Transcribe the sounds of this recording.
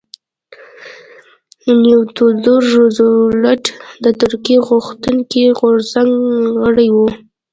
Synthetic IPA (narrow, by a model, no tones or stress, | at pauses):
nuwt̪ud̪oɾʒʊzlaʈd̪ət̪ʊɾkiɣʊxt̪uŋkiɣʊɾz̥aŋɡɣəɽajwu